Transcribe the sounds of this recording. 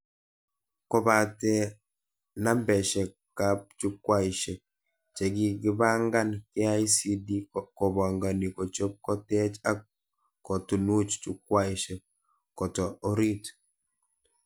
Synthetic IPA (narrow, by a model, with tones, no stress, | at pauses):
kɔ˦˨ba˨tɛ˦ | na˦mbɛ˨ʃɛ˨ | ka˦p̚t͡ʃu˦kwa˦i˨ʃɛ˨ | t͡ʃɛ˨ɡi˦ɡɪ˦ba˦ŋɡa˦nkɪ˦a˦jsi˦di˦kɔ˨ba˨ŋɡa˨ni˨kɔ˨t͡ʃo˦p̚kɔ˦tɛ˦t͡ʃa˦ | kɔ˨tu˨nu˦t͡ʃt͡ʃu˦kwa˦iʃɛ˨ | kɔ˨tɔ˨ɔ˦ɾi˦t